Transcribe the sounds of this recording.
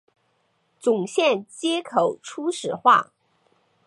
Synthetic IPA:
t͡sʊ˨˩ŋɕjɛ˥˩nt͡ɕjɛ˥kʰo˨˩˦ʊʈ͡ʂʰu˥ʂɻ̩˨˩xwa̰˥˩

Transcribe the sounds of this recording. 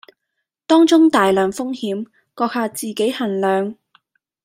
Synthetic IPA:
t̪ɔː˥ŋt͡sʊ˥ŋt̪aː˨jlœː˨˩ŋfʊ˥ŋhiː˨˥m | kɔː˧k̚haː˧t͡siː˨ke˨˥jhɐ˨˩nlœː˨ŋ

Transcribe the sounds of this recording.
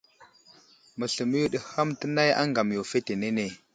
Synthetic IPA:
mə˨ɬə˨mə˦ju˦ɗə˨ha˦mtə˦na˦ja̰˦ŋɡa˨mjo˨fe˦te˨ne˦ne˨

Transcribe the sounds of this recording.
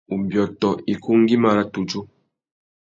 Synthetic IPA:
u˨mbjɔ˨tɔ˨i˨ku˦ŋ˦ɡi˦ma˨ɾa˦tu˨d͡ʒo˦

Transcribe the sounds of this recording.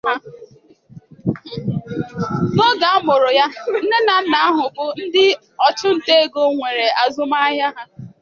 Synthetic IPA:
a˦ | no˦ɡa˨a˦mʊ˨ɾʊ˨ja˦n̩˦ne˦na˨n̩˦na˨a˦ɦʊ˨bʊ˦n̩˦dɪ˦ | ɔ˨t͡ʃʊ˦n̩˨te˦e˦˨ɡo˦ŋʷe˨ɾe˨a˨zʊ˦ma˦ɦja˦ɦa˦

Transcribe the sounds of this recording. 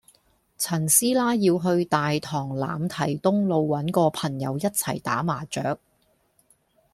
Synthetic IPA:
t͡sʰɐ˨˩nsiː˥laː˥jiː˧wɦɵ˧ɥt̪aː˨jt̪ʰɔː˨˩ŋla̰ː˨mt̪ʰɐ˨˩jt̪ʊ˥ŋlo˨˧wwɐ˨˥nkɔː˧pʰɐ˨˩ŋjɐ̰˨˧wjɐ˥t̚t͡sʰɐ˨˩jt̪aː˨˥maː˨˩t͡ʃœː˨˥k̚

